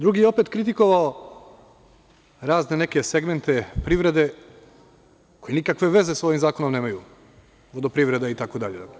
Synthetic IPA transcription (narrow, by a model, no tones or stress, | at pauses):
d̪ɾuɡijeo̞peːt̪kɾit̪iko̞ʋao | ɾaːzne̞ne̞ke̞seɡment̪e̞pɾiʋɾe̞d̪e̞ | kojenikakʋe̞ʋe̞zesoʋimzaːko̞nomneːmaju | ʋo̞d̪opɾiʋɾe̞d̪ait̪akod̪aʎe